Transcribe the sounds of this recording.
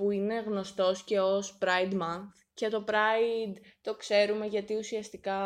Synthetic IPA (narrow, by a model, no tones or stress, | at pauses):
puine̞ɣno̞st̪o̞sce̞ospɾɐjd̪mɐnθ | cet̪o̞pɾɐid̪t̪o̞kse̞ɾume̞ʝɐt̪iusiɐst̪ikɐ